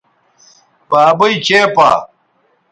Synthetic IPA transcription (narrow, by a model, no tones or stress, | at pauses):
baːbɐjt͡ɕeːpa̰